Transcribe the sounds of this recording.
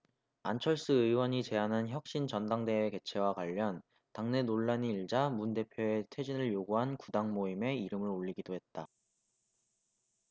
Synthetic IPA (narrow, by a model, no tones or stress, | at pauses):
ant͡ɕʰʌɭs͈ɯɯiwʌɲit͡ɕe̞anɦançjʌk̚ɕ͈int͡ɕʌndaŋde̞eke̞t͡ɕʰe̞wakwaʎːʌn | taŋne̞noɭːaɲiːɭd͡ʑamunde̞pʰjoe̞tʰe̞d͡ʑinɯɭjoɡuɦankudaŋmoime̞iɾɯmɯɾoʎːiɡidoɦe̞t̚t͈a